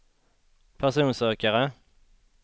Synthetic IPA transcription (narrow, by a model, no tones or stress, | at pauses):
pʰæʁsuːnsøːkəʁə